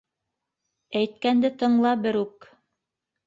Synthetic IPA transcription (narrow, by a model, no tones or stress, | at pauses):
æjt̪̚kænd̪ɘt̪ɤ̆ɴlˠɑbɘɾʉk